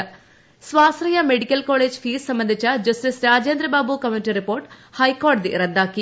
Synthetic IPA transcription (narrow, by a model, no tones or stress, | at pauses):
sʋaːsɾɐjɐmeɽikɐlkoːleːd͡ʒfʰiːssɐmbɐnd̪ʱit͡ʃɐd͡ʒɐsʈisɾaːd͡ʒeːnd̪ɾɐbaːbukɐmjuʈiɾipoːɾʈhɐjkoːɾʈd̪iɾɐd̪aːki